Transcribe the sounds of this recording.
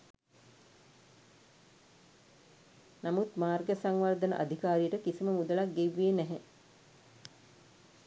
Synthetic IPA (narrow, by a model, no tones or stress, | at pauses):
namut̪maːrɡəsaŋʋard̪ənə̰ʔa̰d̪ʱikaːɾijəʈəkisiməmud̪əlak̚ɡeʋːiːnæɦɛ